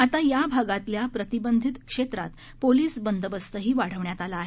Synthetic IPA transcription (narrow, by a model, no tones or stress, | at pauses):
at̪ajabʱaɡat̪ljapɾət̪ibənd̪ʱit̪kʂet̪ɾa̰t̪ | poliːsbənd̪ʱəbəst̪əɦiːʋaɽ̤əʋɳjat̪alaːɦe